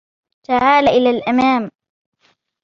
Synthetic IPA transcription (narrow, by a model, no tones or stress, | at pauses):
t̪aʕaːlaʔɪlalʔamaːm